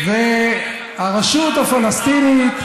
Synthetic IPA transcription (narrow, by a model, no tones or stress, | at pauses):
ve | aʁeʃut̪hafalast̪init̪